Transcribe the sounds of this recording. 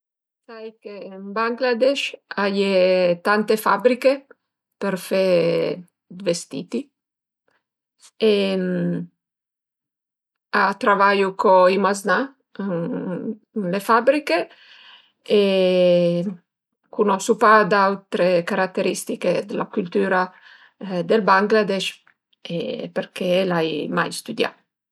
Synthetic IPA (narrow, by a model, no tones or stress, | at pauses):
sajkembaŋɡlad̪ɛʃajet̪ant̪efabɾike | peɾfe | d̪vest̪ḭːt̪i | em | at̪ɾavajukoimazna | lefabɾike | e | kunɔsupad̪awt̪ɾekaɾat̪ːeɾist̪iked̪elakylt̪yːɾa | d̪elbaŋɡlad̪ɛʃ | epeɾkʰelajmajst̪ud̪ja̰